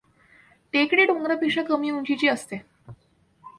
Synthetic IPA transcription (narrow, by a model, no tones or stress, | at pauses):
ʈekɽiːɖõŋɡɾapiʂakəmiuɲd͡ʑit͡ɕiːəst̪e